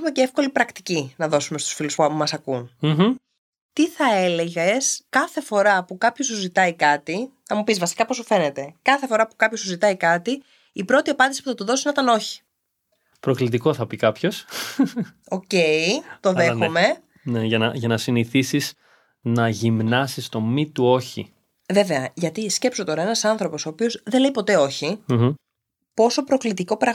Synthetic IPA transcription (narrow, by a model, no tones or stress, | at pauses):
umeceefko̞lipɾɐkt̪i̥cinɐðo̞sumest̪u̥sfiluspumɐsɐkun̩ | t̪iθɐe̞le̞ʝeskɐθe̞fo̞ɾɐpukɐpços̬uzit̪ɐikɐt̪inɐmupizvɐsi̥kɐpo̞sufe̞ne̞t̪e̞kɐθe̞fo̞ɾɐpu̥kɐpçosuzit̪ɐikɐt̪iː | pɾo̞t̪iɐpɐnd̪isi̥puθɐt̪uðosinot̪ɐno̞çi̥ | pɾo̞klit̪̬iko̞θɐpikɐpço̞s | o̞ce̞it̪oðexome̞ | neʝɐnɐʝɐnɐsiniθisiz | nɐʝimnɐsist̪o̞mit̪uo̞çḭ | ve̞ve̞ɐʝɐt̪isce̞pso̞t̪o̞ɾɐe̞nɐsɐnθɾo̞po̞so̞ːpio̞zðele̞jpo̞t̪e̞o̞çi | po̞so̞pɾo̞klit̪iko̞pɾɐ